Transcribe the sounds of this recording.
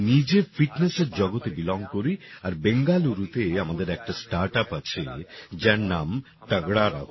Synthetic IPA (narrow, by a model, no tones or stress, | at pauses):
nid͡ʑefiʈneseɾd͡ʑɔɡot̪ebilɔŋɡ̚koɾiaɾbeŋɡaluɾut̪eamad̪eɾɛk̚ʈasʈaɾʈapat͡ɕʰed͡ʑaɾnam | ʈaɡɽaɾa̰